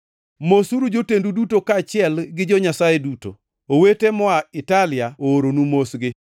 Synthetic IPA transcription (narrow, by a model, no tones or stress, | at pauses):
mosuɾud͡ʒotendudutokat͡ʃɪɛlɡɪd͡ʒɔɲasajeduto̰ | owetemɔaɪtalɪjaoːɾonumosɡɪ